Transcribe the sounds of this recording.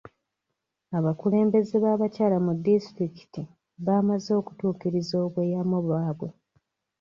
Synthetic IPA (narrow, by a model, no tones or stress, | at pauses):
aβakule̞ːmbe̞zeβaːβacaːlamudːistɾiki̥ti | βaːmazo̞ːku̥tuːkiɾizo̞ːβwe̞ːjamoβwaːβwe̞